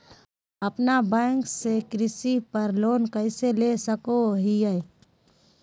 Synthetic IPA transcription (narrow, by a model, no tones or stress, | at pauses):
ɐpnabɛ̃ːŋksekɾɪsipəɾloːnkəɪselesəkoɦiə